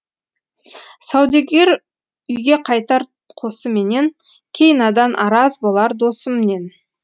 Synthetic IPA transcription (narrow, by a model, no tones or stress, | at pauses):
sɑwd̪ɑkʲe̞ɾ | ʏjɡʲe̞qʰɑjt̪ɑɾ | qʰo̞səme̞ne̞ŋ | kʲʰe̞jnɑd̪ɑnʔɑɾɑzbolˠɑɾd̪o̞səmene̞n